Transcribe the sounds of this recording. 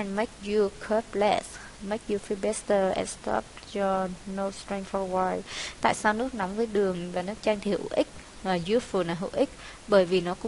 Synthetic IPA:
ɛ˨nma˦˥jk̚zu˧kʰə˦˥p̚lɛ̰˦˥s | mə˨˦˥jk̚ju˧fi˧ɓɛ˦˥st̪əː˨˩ʔɛ̰˨˩nst̪ɔ̰˦˥p̚t͡ɕɔ˧no˧wst̪ɹi˧ŋfɔ˧waː˧jt̪a̰ː˧˨jsaː˧wnɨ˦˥ək̚nɔ˨˦wŋ͡mvəː˨˦jɗɨ˨˩əŋvaː˨˩nɨ˦˥k̚t͡ɕaː˧ŋt̪ʰi˨˩hṵ˧˩ʔï˦˥k̟̚ː | zi˧əfu˨˩naː˨˩ɦṵ˧˩wʔï˦˥ | ɓəː˧˩jvi˨˩nɔ˨˦kʊ̰˧˥

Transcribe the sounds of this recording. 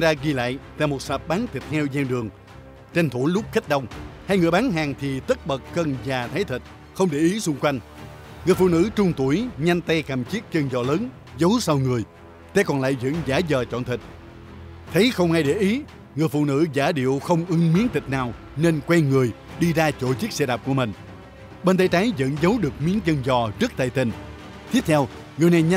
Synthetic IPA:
nzaː˧ɣi˧la̰ː˧˨jt̪a̰ː˧˨jmo˨˩t̚saː˨˩p̚ɓaː˨˦nt̪i˨˩t̚t̪ʰɛ˧wzɛ˧wɗɨ˨˩əŋ | t͡ɕe˧nt̪ʰu˧˦jlʊ˦˥k͡p̚xə˦˥t̟̚ɗə˧wŋ͡mha˧jŋɨ˨˩əjɓaː˨˦nɦaː˨˩ŋt̪ʰi˨˩t̪ə˦˥t̚ɓə˨˩k̚ːə˧nzaː˨˩t̪ʰa˨˦jt̪ʰï˨˩t̟̚ | xə˧wŋ͡mɗe˧˩ʔi˨˦sʊ˧ŋ͡mkwa˧jŋ̟ | ŋɨ˨˩əjfṵ˧˨nɨ̰˧˥t͡ɕʊ˧ŋ͡mt̪u˧˩əjɲa˧ŋt̪ɛ˧kaː˨˩mt͡ɕi˦˥ək̚t͡ɕə˧ŋzɔ̰˧˨ləː˨˦n | zə˨˦wsa˧wŋɨ˨˩əj | t̪ɛ̰˧˥kɔ˨˩nla̰ː˧˨jzə̰˧˥nzaː˧˩˦zəː˨˩t͡ɕɔ̰˧˨nt̪ʰï˨˩k̚ | t̪ʰe˨˦xə˧wŋ͡mha˧jɗe˧˩ʔi˨˦ | ŋɨ˨˩əjfṵ˧˨nɨ̰˧˥zaː˧˦ɗḭ˧˨əwxə˧wŋ͡mʔɨ˨˦ŋmi˨˦ənt̪ï˨˩k̚naː˨˩w | ne˧nkwɛ˧nŋɨ˨˩əjɗi˧zaː˧t͡ɕo˧˨t͡ɕi˦˥k̚sɛ˧ɗaː˨˩p̚ku˧˩əmï˨˩ŋ̟ | ɓe˧nt̪ə˨˦jt͡ɕa˨˦jzə̰˧˥nzə˨˦wɗɨ˨˩ək̚mi˨˦ənt͡ɕə˧ŋzɔ˨˩zə˦˥k̚t̪a˧˨jt̪ï˨˩n | t̪ʰi˦˥p̚t̪ʰɛ˧w | ŋɨ˨˩əjna˨˩jɲ˧

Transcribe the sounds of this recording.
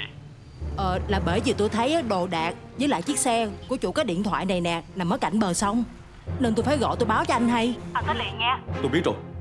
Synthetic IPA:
ʔəː˨˩laː˨˩ɓəː˧˩jvi˨˩t̪o˧jt̪ʰə˨˦jʔːɗo˨˩ɗaː˨˩k̚zəː˨˦jla̰ː˧˨jt͡ɕi˦˥ək̚sɛ˧ku˧˩ət͡ɕṵ˧˨kaː˨˦˥ɗḭ˧˨ənt̪ʰwa̰ː˧˨jna˨˩jnɛ˨˩na˨˩məː˨˦jka˧˩jŋ̟ɓəː˨˩sə˧wŋ͡m | ne˧nt̪o˧jfaː˧˩jɣɔ̰˧˨t̪o˧jɓaː˨˦wt͡ɕɔ˧ʔa˧jŋ̟ɦa˧jaː˨˩t̪ɔ˨˧˦li˨˩nŋɛ˧t̪o˧jɓi˦˥ət̚zo̰˨˩

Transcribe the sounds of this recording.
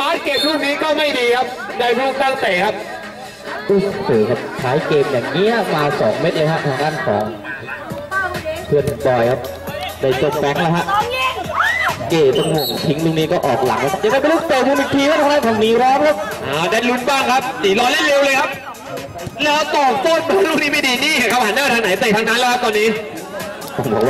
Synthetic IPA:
maː˦˥t̚ke˨˩p̪̚ɾuː˥˩ŋ̚niː˦˥kɔː˥˩ma˥˩jdiː˧kʰa˦˥p̚daː˧jɾkʰaː˥˩t̪eː˨˩kʰa˦˥p̚ | ʔu˧˩sɯː˨˩˦kʰa˦˥p̚kʰaː˩˦jkeː˧mjaː˨˩ŋːi˦˥ɐ˨maː˧sɔː˩˦ŋme˦˥t̪̚lɤː˧kʰa˦˥pt̪ʰaː˧ŋdaː˥˩nkʰɔ̰ː˩˦ŋ | pʰɯ˧ənbɔː˨˩jkʰa˦˥p̚ | da˧˩jt͡ɕo˧mfɛ˧˦˥ŋlaː˧˦kʰa˦˥ʔ | keː˨˩t̪o˧ŋmo˨˩ŋt̪ʰi˦˥ŋluː˥˩k̚niː˦˥kɔː˥˩ʔɔː˨˩k̚la̰˨˩˦ŋla˧˦kʰa˦˥pjaː˨˩ka˧˥˩pe˧˦lu˥˩k̚t̪eː˨˩mu˧nmi˨˩t̪ʰiː˧˩waː˥˩t̪ʰa˧aː˧˥˨nt̪ʰa˧˩niː˨˦ɾɔː˦˥mkʰa˦˥p̚ʔaː˧˩daː˧˩lu˦˥nbaː˥˩ŋkʰa˦˥p̚siː˨˩˦lɔː˧˥jlaː˥˩le˧wlɤː˧jkʰa˦˥p̚ | lɛː˦˥˧t̪ɔː˨˩p̚t̪oː˥˨nbaː˧˦luː˥˩niː˦˥mi˧˩diː˨˧˩niː˥˩a˧˩kʰa˦˥p̚ha˨˩˦naː˥˩t̪ʰaː˧˥na˨˦jt̪e˨˩t̪ʰa˧ŋdaː˦˥nlɛː˦˥kʰa˧˥t̪ɔː˧niː˦˥ | kʰa˨˩pʰo˨˦

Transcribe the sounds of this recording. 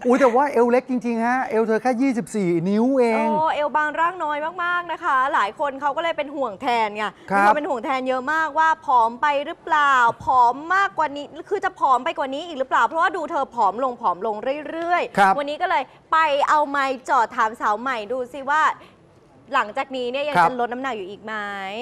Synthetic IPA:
ʔuː˨˦jt̪ɛː˨˩waː˥˩ʔe˧wle˦˥k̚t͡ɕi˧ŋt͡ɕi˧ŋha˦˥ʔe˧wt̪ʰɤː˧kʰɛː˥˩jiː˥˩si˨˩p̚siː˨˩ni˦˥wʔeː˧ŋ˧˥˩ʔe˧wbaː˧ŋɾaː˥˩ŋnɔː˧jmaː˥˩k̚maː˥˩k̚na˦˥kʰa˦˥laː˩˦jkʰo˧nkʰa˦˥wkɔ˥˩lːɤː˧jpe˧nhu˨˩əŋt̪ʰɛː˧nkʰa˧˩˧a˧˩pe˧nhu˨˩əŋt̪ʰɛː˧njɤ˦˥ʔmaː˥˩k̚waː˥˩pʰɔː˩˦mpa˧jɾɯː˦˥plaː˨˩wpʰɔː˩˦mːaː˥˩kːwaː˨˩niː˦˥kʰɯː˧t͡ɕa˨˩pʰɔː˩˦mpa˧jkwaː˨˩niː˦˥ʔiː˨˩k̚ɾɯː˦˥plaː˨˩wpʰɾɔ˦˥waː˥˩duː˧t̪ʰɤː˧pʰɔː˩˦mlo˧ŋpʰɔː˩˦mlo˧ŋɾɯ˥˩əjɾɯ˥˩əjkʰwa˧nːiː˦˥kɔ˥˩lɤː˧j | pa˧jʔa˧wma˧jt͡ɕɔː˨˩t̪ʰːaː˩˦msa˩˦wma˨˩jduː˧si˨˩waː˥˩ | la˩˦ŋt͡ɕaː˨˩k̚niː˦˥ni˥˩ɐja˧e˧nlo˦˥t̪̚na˦˥na˨˩k̚juː˨˩ʔiː˨˩k̚ma˦˥j

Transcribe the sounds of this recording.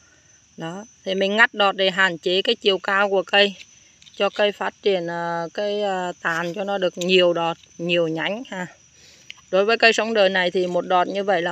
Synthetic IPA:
ɗɔ˨˦t̪ʰi˨˩mï˨˩ŋ̟ŋa˦˥k̚ɗɔ˨˩t̚ɗe˨˩ɦaː˨˩nt͡ɕe˨˦kaː˨˦jt͡ɕi˨˩˨əwkaː˧wku˧˩əkə˧j | t͡ɕɔ˧kə˧jfaː˦˥t̚t͡ɕi˨˧˩ənʔəː˨˩kaː˨˦jəː˧˩t̪aː˨˩nt͡ɕɔ˧nɔ˨˦ɗɨ˨˩ək̚ɲi˨˩əwɗɔ˨˩t̚ɲi˨˩əwɲa̰˧˦jŋ̟haː˧˩ | ɗo˨˦jvəː˨˦jkə˧jsə˨˦wŋ͡mɗəː˨˩na˨˩jt̪ʰi˨˩mo˨˩t̚ɗɔ˨˩t̚ɲɨ˧və̰˧˨jlaː˨˩

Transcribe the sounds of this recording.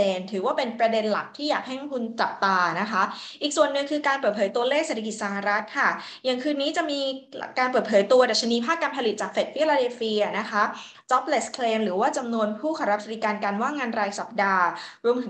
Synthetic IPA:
eː˧nt̪ʰɯː˩˦waː˥˩pe˧npɾa˧de˧nla̰˨˩k̚t̪ʰiː˥˩jaː˨˩k̚hɛ˥˩ŋkʰu˧nt͡ɕa˨˩p̚t̪aː˧na˦˥kʰa˦˥ | ʔiː˨˩k̚su˨˩ənːɯ˨˩ŋkʰɯː˧kaː˧npɤː˨˩t̪̚pʰɤː˩˦jt̪u˧ɐleː˥˩kse˨˩t̪ʰa˩ki˨˩t̪̚sa˧˦ɦa˧ɾa˦˥t̪̚kʰa˥˩ | jaː˨˩ŋkʰɯː˧nːiː˦˥t͡ɕa˨˩miː˧kaː˧np̬ɤː˨˩t̪̚pʰɤː˩˦jt̪u˧ɐda˨˩t̪̚t͡ɕʰa˧ni˦˥pʰaː˥˩k̚ːaː˧npʰa˧li˨˩t̪̚t͡ɕaː˨˩k̚fe˨˩t̪̚fi˦˥laː˧deː˧fiː˧a˨˩na˦˥kʰa˦˥ | t͡ɕɔ˦˥p̚le˨˦˩skʰleː˧mɾɯː˩˦waː˥˩t͡ɕa˧mnu˧ənpʰuː˥˩kʰa˧ɾa˦˥fi˨˧˥ka˧nka˧nwaː˥˩ŋaː˧nɾaː˧jsa˨˩p̚daː˧ɾu˧əmt̪ʰɯ˩˦

